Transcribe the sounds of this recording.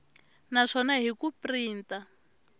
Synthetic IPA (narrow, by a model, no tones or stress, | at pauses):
naʂɔnaɦikupriːnta